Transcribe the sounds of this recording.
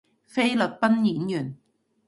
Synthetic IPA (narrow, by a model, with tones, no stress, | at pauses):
fe˥jlɵ˨˩t̚pɐ˥njiː˨˥njyː˨˩n